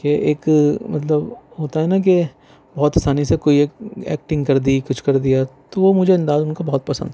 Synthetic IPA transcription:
keʔeːkmɐt̪ləbɦoːt̪aɦɛnak̬e | bɔːt̪asaːnisekoːieːkɛ̰ːk̚ʈɪ̃ŋɡkɐɾd̪ikʊt͡ʃʰkɐɾd̪ijat̪oʋomʊd͡ʒʱeɐ̃nd̪aːzʊnkabɔɦɔt̪̚pɐsə̰̃nd̪

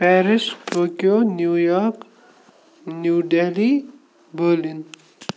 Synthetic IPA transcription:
pɛɾispəkjonjujɔk | njuɖeli | bəlin

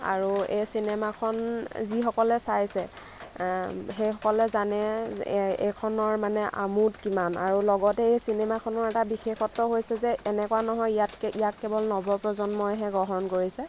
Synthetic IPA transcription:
a̰ɹuejsinɛmakʰɔnzixɔkɔlɛsajsɛ | ɦejxɔkɔlɛzanɛ | ḛkʰɔnɔɹmanɛʔa̰mutkimana̰ɹulɔɡɔtɛejsinɛmakʰɔnɔɹɛtabixexɔtːɔɦojsɛzɛːnɛkɔwanɔɦɔjijatkɛijatkɛbɔlnɔbɔpɹɔzɔnmɔjɦɛɡɔɦɔnkoɹisɛ

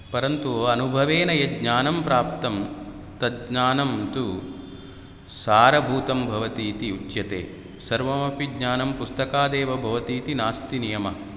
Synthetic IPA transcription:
pɐɾɐnt̪uoːɐnubʱɐʋeːnɐjɐdɲaːnɐmpɾaːpt̪ɐm | t̪ɐɡɲaːnɐmt̪u | saːɾɐbʱuːt̪ɐmbʱɐʋɐt̪iːt̪iut͡ʃjɐt̪ḛː | sɐɾʋɐmɐpiɡɲaːnɐmpust̪ɐkaːd̪eːʋɐbʱɐʋɐt̪iːt̪inaːst̪inijɐmɐ

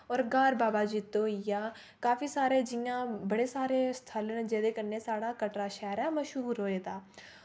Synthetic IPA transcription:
ɔːɾɡaːɾbaːbaːd͡ʒiːt̪ːoːɪjaː | kaːfiːsaːɾeːd͡ʒɪjãːbəɽeːsaːɾeːst̪ʰələnd͡ʒeːd̪eːkənːeːsaːɽaːkəʈɾaːʃɛːɾɛːməʃɦuːɾɦoːeːd̪aː

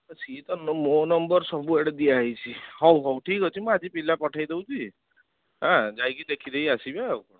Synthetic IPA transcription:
sit̪ɔnmonɔmbɔɾsɔbueɽed̪iaɦit͡ʃʰihɔwɦɔwʈʰiːkɦɔt͡ʃʰimɔ̃ad͡ʒipilapɔʈʰajd̪ewt͡ʃʰi | ɦãd͡ʒajkid̪ekʰid̪eiasibewkɔɽ

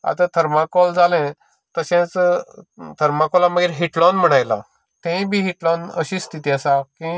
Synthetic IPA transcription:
a̰t̪ãt̪ʰəɾmakɔld͡zalɛ̃ | t̪əɕẽt͡s | t̪ʰəɾmakɔlaməɡiːɾɦiʈlɔnm̤əɽ̃ajla̰ | t̪ẽbʱiːɦiʈlɔnə̰ɕiːst̪ʰit̪iəsakĩ

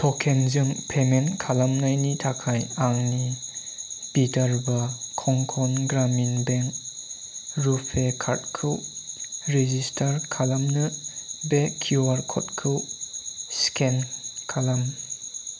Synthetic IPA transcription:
pʰɔkʰenzɯŋpʰementkʰalamnajnitʰakʰajaŋni | b̥itɐɾbakʰɔŋkʰɔnɡɾaminbeŋk | ɾupʰekʰaɾt̚kʰɯw | ɾezistʰaɾkʰalamnɯbekʰːuaɾkʰɔ̰t̚kʰɯw | skʰenkʰalam

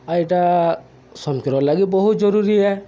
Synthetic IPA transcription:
ajʈa | sɔmkiɾbalaɡibɔɦut̪̚d͡ʒɔɾuɾiɛ

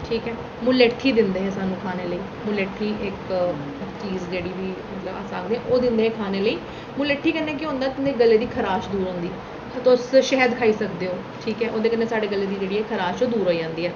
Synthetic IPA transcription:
ʈʰiːkɛː | mʊleʈʰːiːd̪ɪnd̪eːɦɛːsaːnːũːkʰaːneːləiː | mʊleːʈʰːiːʔɪk | t͡ʃiːzd͡ʒeːɽiːʋiːmət̪ləba̰ːsaːkd̪ẽɛ̃ʔoːd̪ɪnd̪eːɛːkʰaːneːləiː | mʊleːʈʰːiːkənːẽːk̬ɪɦõnd̪aːt̪ʊnd̪eːɡəlːeːd̪iːkʰəɾaːʃd̪uːɾɦõːnd̪iː | t̪osʃɛːɦəd̪kʰaːiːsəkd̪eːoː | ʈʰiːkɛːʔoːd̪eːkənːeːsaːɖeːɡəlːeːd̪iːd͡ʒeːɽiːɛːkʰəɾaːʃoːd̪uːɾɦoːid͡ʒãːnd̪iːɛː

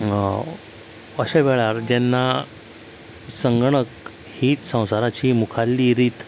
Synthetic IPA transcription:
əɕeʋeɭaɾd͡ʑɛnːa | səŋɡɳ̃ək | hiːt͡ssə̃w̃saɾat͡ɕiːmukʰalːiːɾiːt̪

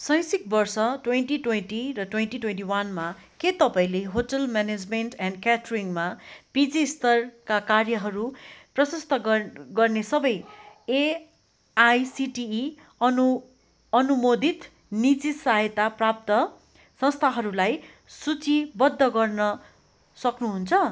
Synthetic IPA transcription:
sʌ̃j̃sik̚bʌrsʌʈwenʈiʈwenʈirʌʈwenʈiʈwenʈiwanmaket̪ʌpaĩleɦoʈʌlmaned͡zmenʈɛnkaʈriŋmapid͡zist̪ʌrkakarjʌɦʌɾuprʌsʌst̪ʌɡʌrnesʌbʌje | ajsiʈiː | ʌnumod̪ʱit̪ | nit͡sisajet̪aprap̚t̪ʌ | sʌ̃st̪ʰaɦʌɾulaj | sut͡sibʌd̪ʱːʌɡʌrnʌ | sʌknuɦunt͡sʰʌ

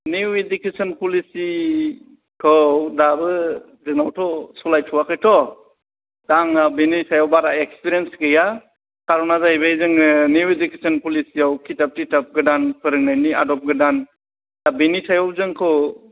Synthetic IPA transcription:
niwedukesɔnpulisi | kʰɯdabɯ | zɯŋnawtʰɔsɔlajtʰuwakʰɯjtʰɔ | daŋabenitʰajɔwbaɾaekspiɾiensɡɯja | kaɾɔnazajbazɯŋniwedukesɔnpulisijawkʰitap̚titap̚ɡɯdanpʰɯɾɯŋnajnia̰dɔp̚ɡɯdan | dabenitʰajɔwzɯŋkʰɯw

